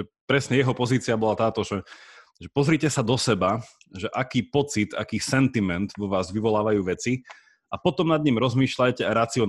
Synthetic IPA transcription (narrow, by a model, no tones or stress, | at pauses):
ɛpɾɛsɲɛjɛɦɔpɔziːt͡siabɔlat̪aːt̪ɔʒɛ | ʒɛpɔzɾiːcɛsad̪ɔsɛba | ʒɛʔakiːpɔt͡sit̪a̰kiːsɛnt̪imɛnt̪ʋɔʋaːzʋiʋɔlaːʋajuːʋɛt͡si | apɔt̪ɔmnad̪ɲimɾɔzmiːʃlajcɛaɾat͡siɔn